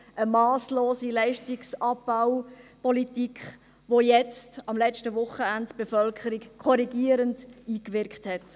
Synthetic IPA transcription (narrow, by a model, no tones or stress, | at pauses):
əmɑːsloːsilaɪʃtiksɑbaʊpɔlitikχ | ʋojɛt͡stɑmlɛt͡ʃtəʋʊχəæntb̥efœlkʰəɾikkʰɔɾiɡiəɾəndiːkʋɪɾkχthɛt